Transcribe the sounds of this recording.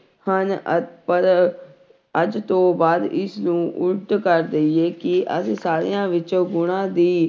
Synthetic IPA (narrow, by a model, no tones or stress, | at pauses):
hənəpəɾ | əd͡ʒt̪õːbaːd̪ɪsnũːʔʊʈkəɾd̪əieːkɪʔə̰sisaːɾḭjãːʋɪt͡ʃõːɡʊɽ̃ãːd̪iː